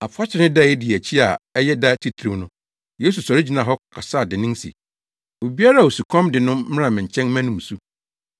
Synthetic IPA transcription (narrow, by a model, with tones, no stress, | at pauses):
a˨fʰʊ˦a˦t͡ɕʰɪ˦nɪ̃˦da˦˨ɛ˦dɪ˨æ˨t͡ɕʰi˦a˨ɛ˦jɛ˦da˦tʰi˦tʰɾi˨˦nʊ̃˦ | jeː˦s̬u˨sɔ˨ɾɪ˦d͡ʑi˨nã˨ɦɔ˦˨kʰa˨saː˦˨dɪ˨nɪ̃˦nsḭ˨ | o˨bi˦a˦ɾa˦˨o˨su˨kʰɔ̃˦mdɪ˨nʊ̃˦m˦ɾã˨mɪ̃˨ɲ̩˨t͡ɕʰɛ̃˦nmæ̃˦nʊ̃˦˨m˨su˦